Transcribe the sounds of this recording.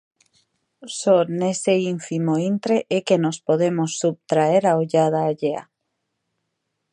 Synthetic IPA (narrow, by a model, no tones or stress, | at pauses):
soneseiɱfimoint̪ɾeʔekenospoðemosːup̚t̪ɾaeɾaoʎað̞aːʎea̰